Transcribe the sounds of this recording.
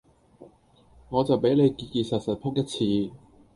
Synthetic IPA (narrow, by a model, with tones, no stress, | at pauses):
ŋɔː˨˧t͡sɐ˨wpe˨˥jle˨˧jkiː˧kiː˧sɐ˨t̚sɐ˨t̚pʰʊ˥k̚jɐ˥t̚t͡sʰiː˧